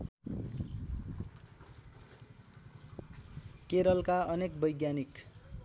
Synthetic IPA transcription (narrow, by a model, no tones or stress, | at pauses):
keɾʌlkaʌnek̚bʌjɡjanik